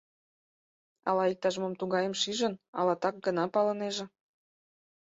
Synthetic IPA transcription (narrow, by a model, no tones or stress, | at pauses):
ɑ̰lɑik̚t̪ɑʒmomt̪uɣɑjə̆mʃiʒə̆nɑ̰lɑt̪ɑk̚ɡənɑpɑlɤ̆neʒĕ